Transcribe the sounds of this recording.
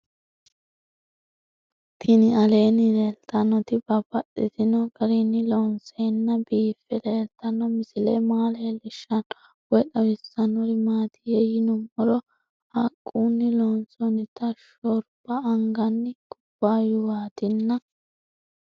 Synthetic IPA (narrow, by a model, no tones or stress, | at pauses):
t̪ʰɪnɪɐleːnɪleːlt̪ɐnɔt̪ɪbɐb̥ɐɗːɪt̪ɪnɔɡɐɾɪnːɪlɔːnseːnːɐbiːfːɛleːlt̪ɐnːɔmɪsɪlɛmaːleːlɪʃːɐn | wɔɗɐwɪsːɐnːɔɾɪmaːt̪ʰɪjɛjɪnʊmːɔɾɔ | hɐkʼːuːnːɪlɔːnsɔnɪt̪ɐʃɔɾb̥ɐːŋɡɐnːɪɡʊb̥ːaːjʊwaːt̪ɪnːɐ